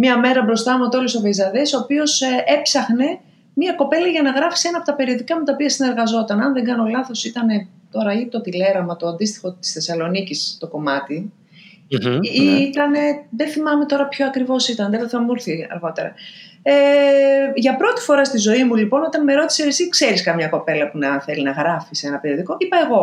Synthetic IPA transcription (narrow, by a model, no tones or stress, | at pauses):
mɲɐme̞ɾɐbɾo̞st̪ɐmuot̪oloso̞vezɐðeso̞ːpio̞se̞psɐxne̞ | miɐko̞pe̞lɐʝɐnɐɣɾɐfi̥se̞nɐːpot̪ɐpe̞ɾio̞ðikɐmut̪ɐopiɐsine̞ɾɣɐzo̞t̪ɐnɐnðe̞ŋɡɐnolɐθo̞sit̪ɐne̞ | t̪o̞ɾɐit̪o̞t̪ile̞ɾɐmɐt̪oɐnd̪ist̪i̥xo̞t̪i̥sθe̞sɐlo̞nicist̪o̞ko̞mɐt̪i | it̪ɐne̞ðenθimɐme̞t̪o̞ɾɐpço̞ɐkɾivo̞sit̪ɐnðeðoθɐmuɾθiɐ̰ɾɣo̞t̪e̞ɾɐ̰ | e | ʝɐpɾo̞t̪i̥fo̞ɾɐst̪izo̞imulipo̞no̞t̪ɐnme̞ɾo̞t̪i̥seesikse̞ɾiskɐmɲɐko̞pe̞lɐpunɐθe̞linɐɣɾɐfise̞nɐpe̞ɾio̞ðiko̞ʔipɐe̞ɣo̞